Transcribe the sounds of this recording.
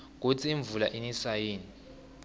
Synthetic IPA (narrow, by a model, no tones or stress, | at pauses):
k̬ʼut͡sʰiiɱvula̰ʔinisajiːni